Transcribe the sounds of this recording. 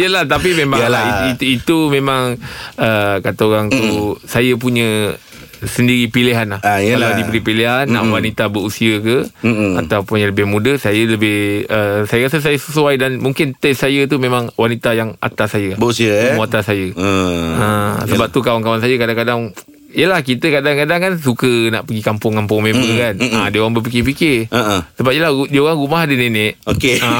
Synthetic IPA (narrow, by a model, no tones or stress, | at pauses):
jəlaht̪apimẽmalaiit̪uit̪umẽmãŋəkat̪aoɾaŋt̪usajəp̬uɲə̃ | səndiɾipiliɦanlahkalawdipəɾipiliɦanːaʔwanit̪abəɾusiəkəat̪awpʊnaŋləbɪhmũdəsajələbɪhəsajəɣasəs̬ajəsəsuajdanmuŋkɪnt̪ɛsajət̪umẽmaŋwanit̪ajaŋa̰t̪asajəbəusiəmat̪asajə | əsəbap̚t̪ukawaŋkawansajəkadaŋkadaŋ | ijəlahkit̪əkadaŋkadaŋkans̬ukənaʔpəɡikampʊŋkampʊŋmẽmukanadiəoɣaŋbəpikɪp̬ikɪəʔsəbap̚ijəladiəoɣaŋɾumaɦadənenɛʔokeə